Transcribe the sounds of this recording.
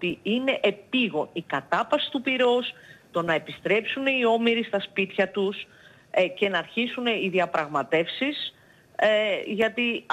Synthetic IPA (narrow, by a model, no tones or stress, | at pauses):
t̪iine̞ʔepiɣo̞nikɐt̪ɐpɐsi̥t̪upiɾo̞st̪o̞nɐe̞pist̪ɾe̞psuneio̞miɾist̪ɐspit̪çɐt̪us | ce̞nɐːɾçisuneiðiɐpɾɐɣmɐt̪e̞fsis | ʝɐt̪i